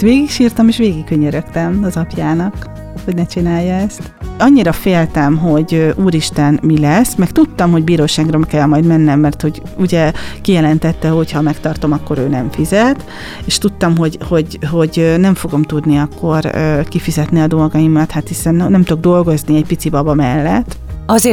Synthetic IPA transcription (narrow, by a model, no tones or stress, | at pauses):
ʋeːɡikʃiːrt̪ɒmeːʃʋeːɡikkøɲːøɾøkt̪ɛmɒzɒpjaːnɒk | ho̞ɟnɛt͡ʃinaːjːɒɛst̪ɒɲːiɾɒfeːlt̪ɛmɦo̞ɟøʔuːɾiʃt̪ɛnmilɛsmɛkt̪ut̪ːɒmɦo̞ɟbiːɾoːʃaːɡrɒmɛkɛlmɒjd̪mɛnːɛmːɛrt̪ho̞ɟ | uɟɛkijɛlɛnt̪ɛt̪ːɛɦo̞chɒmɛkt̪ɒrt̪o̞mɒkːo̞ɾøːnɛɱfizɛt̪ | eʃt̪ut̪ːɒmɦo̞ɟho̞ɟɦo̞ɟønɛɱfo̞ɡo̞mt̪ud̪niɒkʰːo̞røːkifizɛt̪niɒd̪o̞lɡɒjimɒt̪hat̪hisɛnnɛmt̪o̞ɡ̚d̪o̞lɡo̞zniɛcpit̪sibɒbɒmɛlːɛt̪ːɒzeː